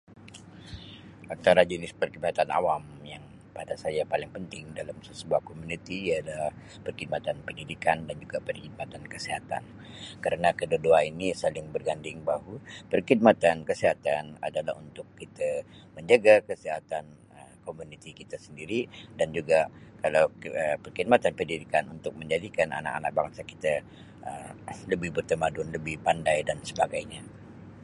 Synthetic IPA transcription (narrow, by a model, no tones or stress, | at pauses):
ʔant̪aɾad͡ʒənɪspərkidmat̪anʔa̰wamjaŋ | padasajapalɪŋpənt̪ɪŋdalamsəsəbuahkomunit̪ijadalah | pərkid̚mat̪anpəndidikandand͡ʒuɡapərhid̚mat̪ankəseɦat̪a̰n | kəɾənakədodoainisalɪŋbərɡandɪŋbaɦupərhid̚mat̪ankəseɦat̪ana̰dala̰ɦunt̪ʊkːit̪aməɲd͡ʒəɡakəsiɦat̪an | əmkomunit̪ikit̪asəndiɾidand͡ʒuɡakalawəpərkid̚mat̪anpərdidikanunt̪ʊk̚məɲd͡ʒadikana̰na̰ka̰na̰k̚baŋsaki̥t̪a | ʔələbɪhbərt̪əmadʊnləbɪhpandajdansəbaɡajɲa